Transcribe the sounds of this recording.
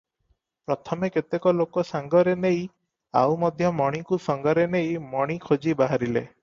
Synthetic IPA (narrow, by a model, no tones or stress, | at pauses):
pɾɔt̪ʰɔmeket̪ekɔlokɔsaŋɡɔɾenej | a̰wmɔd̪ʱjɔmɔɽ̃ikusɔŋɡɔɾenejmɔɽ̃ikʰod͡ʒibaɦaɾilḛ